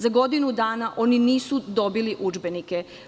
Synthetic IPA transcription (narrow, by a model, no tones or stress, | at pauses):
zaɡo̞d̪inud̪aːnaʔo̞niniːsud̪o̞biliʔud͡ʒbenike